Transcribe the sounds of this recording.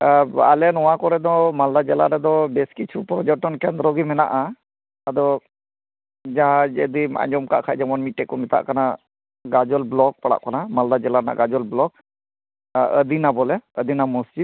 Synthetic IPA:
a̰lɛnɔwãkɔɾɛd̪ɔmald̪ad͡ʒɛlaɾɛd̪ɔbɛskit͡ʃʰupɾɔd͡ʒɔʈɔnkɛnd̪ɾɔɡimɛna̰ʔa | ad̪ɔ | d͡ʒaɦãd͡ʒə̰d̪ima̰ɲd͡ʒɔmka̰ʔkʰaʔd͡ʒɛmɔnmiʈɛkɔmɛt̪a̰ʔkana | ɡad͡ʒɔlblɔk̚paɽa̰ʔkanamald̪ad͡ʒɛlaɾɛna̰ʔɡad͡ʒɔlblɔk̚ | əd̪inabɔlɛəd̪inamusd͡ʒid̪̚

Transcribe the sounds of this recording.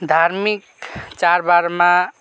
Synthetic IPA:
d̪ʱaɾmik | t͡ʃaɾbaɾmã

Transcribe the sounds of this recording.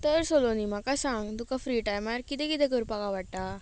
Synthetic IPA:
t̪əɾsolonim̤akasãŋɡt̪ukafɾiʈajmaɾkit̪ɛ̃kit̪ɛ̃k̬əɾpakaʋaɽʈ̪a

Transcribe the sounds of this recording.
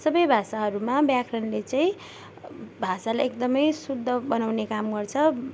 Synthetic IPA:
sʌbʌjbʱasaɦʌɾumabjakʰrʌnlet͡saĩ | bʱasalajekd̪ʌmʌjsud̪ʱːʌbʌnawnekamɡʌrt͡sʰʌ

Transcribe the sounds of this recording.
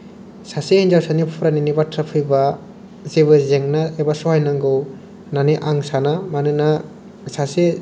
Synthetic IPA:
sasehind͡ʒawsanipʰuɾaninibatʰɾapʰɯjba | zeβɯzeŋnaebasuhajnaŋɡɯw | naniʔaŋsanamanɯna | sase

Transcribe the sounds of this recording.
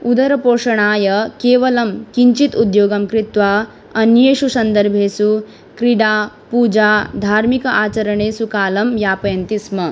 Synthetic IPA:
ud̪ɐɾɐpoːʂɐɳ̃aːjɐkeːʋɐlɐmkiɲt͡ʃit̪ud̪joːɡɐmkɾit̪ʋa | ɐnjeːʃusɐnd̪əɾbʱeːsu | kɾiɽa | puːd͡ʒad̪ʱaːɾmikɐʔaːt͡ʃɐɾɐɳ̃eːsukaːlɐmjapɐjɐnt̪ismɐ

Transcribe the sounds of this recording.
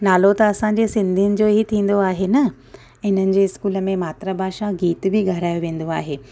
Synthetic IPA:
naːlot̪ɐɐsãːɲ̆d͡ʑesɪ̃nd̪ʱijənɪ̆d͡ʑoːɦit̪ʰĩːn̆d̪oaːɦenɐ | ɪn̤ənɪ̆d͡ʑeːɪskuːləmẽmaːt̪ɾabʱaːʃãɡiːt̪bʱɪɡʱɐɾaːjoʋẽːn̆d̪oa̰ːɦeː

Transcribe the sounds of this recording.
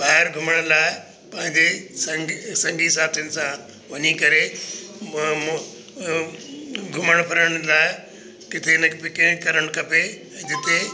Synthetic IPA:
baːɪɾɡʱʊməɽ̃laːɪ | pɐ̃ɦɪ̃ɲd͡ʑesɐ̃sɐ̃ŋɡʱiɪsaːb̚t̪jənɪ̆sã | ʋɐɲikɐɾe | ɡʱʊməɽ̃pʰɐɾəɽ̃laːɪ | kɪt̪ʰenɐkpekɪ̃ɪ̃kɐɾəɽ̃kɐpẽː | d͡ʑɪt̪ʰe

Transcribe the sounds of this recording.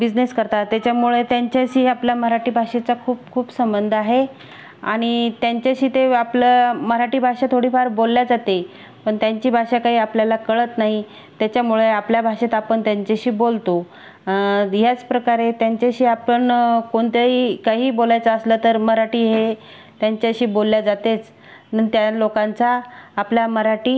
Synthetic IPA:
bid͡zneskəɾt̪at̪jat͡ɕjamuɭet̪jaɲt͡ɕjaɕiːapljaməɾaʈiːbʱaʂet͡sakʰuːp̚kʰuːpsəmbənd̪ʱaɦe | a̰ɽ̃it̪jaɲt͡ɕjaɕiːt̪eapləməɾaʈiːbʱaʂat̪ʰoɽiːfaɾbolːjad͡zat̪e | pəɳt̪jaɲt͡ɕiːbʱaʂakaɦiːapljalakəɭət̪naɦi | t̪jat͡ɕjamuɭeapljabʱaʂet̪apəɳt̪jaɲt͡ɕaɕiːbolt̪o | ɦjat͡spɾəkaɾet̪jaɲt͡ɕaɕiːapəɳkoɳt̪eikaɦiːbolajt͡saəslət̪əɾməɾaʈiːɦe | t̪jaɲt͡ɕaɕiːbolːjad͡zat̪et͡s | nənt̪jalokãnt͡saːpljaməɾaʈiː

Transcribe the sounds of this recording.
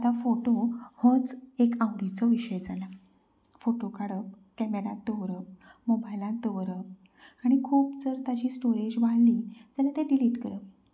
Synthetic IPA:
at̪afoʈohə̃t͡sekãwɽit͡sɔʋiɕəjd͡zala | foʈokaɽəp | kɛmeɾãt̪ːəʋɾəp̚mobajlãt̪əʋɾəp̚ | aɽ̃ikʰuːpd͡zəɾt̪ad͡ʑiːsʈoɾed͡ʑʋaɭliːd͡ʑɛnat̪ẽɖiliːʈkəɾə

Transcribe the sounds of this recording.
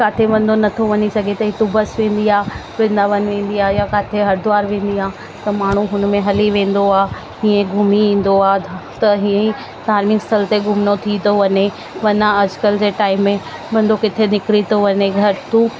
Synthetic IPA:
kaːt̪ʰeʋɐ̃n̆d̪ʱonɐt̪ʰoʋɐɲisɐɡʱet̪ɐɦit̪ubɐsʋẽːn̆d̪iaː | ʋẽn̆d̪aʋɐnʋẽːn̆d̪iaːjakaːt̪ʰeɦɐɾd̪ʊaːɾʋẽːn̆d̪iaː | t̪ɐmaːɳ̤uɦʊnmẽɦɐliʋẽːn̆d̪oaː | ɦiːẽɡʱʊmiʋĩːn̆d̪oaːɦd̪ʱt̪ɐɦiːə̃i | d̪ʱaːɾmɪŋkst̪ʰɐlt̪eɡʱʊmnot̪ʰit̪oʋɐɲe | ʋɐnaɐd͡ʑkəld͡ʑeːʈaːɪmːẽ | ʋɐ̃nd̪okɪt̪ʰenɪkɪɽit̪oʋɐɲeɡʱɐɾt̪uː

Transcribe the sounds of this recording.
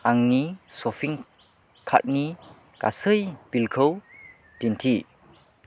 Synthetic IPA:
ʔaŋnisɔfʰiŋ | kʰa̰t̚ni | ka̰səjbilkʰəw | dintʰi

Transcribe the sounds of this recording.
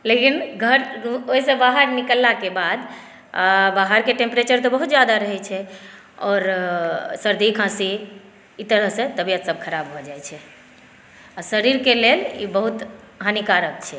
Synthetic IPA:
lekinɡʱəɾoisə̃baɦaɾnikəlːakebad̪ | abaɦaɾkeʈẽmpɾet͡ʃəɾt̪ɔbəɦut̪d͡ʒjad̪aɾəɦɛt͡ʃʰɛ | ɔːɾ | səɾd̪ikʰãsiː | t̪əɾəɦsẽt̪əbijət̪səb̚kʰəɾabɦod͡ʒajt͡ʃʰɛ | asəɾiɾkelelḭbəɦut̪ | ɦanikaɾək̚t͡ʃʰɛ

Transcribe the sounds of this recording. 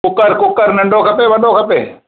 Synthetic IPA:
ʊkəɾkʊkːəɾnəɳɖoːkʰɐpeːʋənɗoːkʰɐpeː

